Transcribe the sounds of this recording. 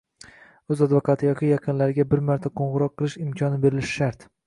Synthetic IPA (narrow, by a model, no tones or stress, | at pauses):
ɵzad̪vokʰɑt̪ʰɪjɒkʲɪjɑqʰɨnlaɾɪɡʲabɪɾmaɾt̪ʰaqʰoɴʁɨɾɒqʰːɨlˠɪʃɪmkʲʰɒnɪbe̞ɾɪlɪʃɪ̥ʃaɾt̪